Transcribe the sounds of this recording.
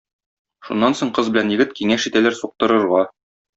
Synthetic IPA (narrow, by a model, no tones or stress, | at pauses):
ʃunːɑnsoɴqɤzbɘ̆lænjɘ̆ɡɘt̪kiŋæʃit̪ælæɾsuq̚t̪ɤ̆ɾɤ̆ɾʁɑ